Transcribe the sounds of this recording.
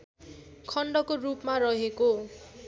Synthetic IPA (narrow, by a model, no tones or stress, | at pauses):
kʰʌɳɖʌkorupmarʌɦeko